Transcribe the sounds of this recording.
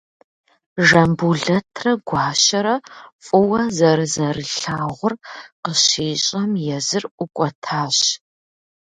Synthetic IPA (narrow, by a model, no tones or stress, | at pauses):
ʒɐmbuɮɐtʰrɐɡʷɑːʃɐɾɐfʼʊwɐzɐɾɨzɐrɨɬaːʁʷʊrqəɕiːɕʼɐmjɛzɨrʔʷʊkʷʼɐtʰaːɕ